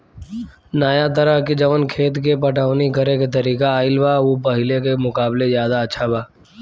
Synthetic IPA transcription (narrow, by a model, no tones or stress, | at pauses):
naːjat̪əɾəɦkid͡ʒəʋənkʰeːt̪kepəʈaːnikəɾeket̪əɾiːkaːɪlbaːʋoːpɐɦɪlekemʊkaːblezjaːd̪aətːʃʰabaː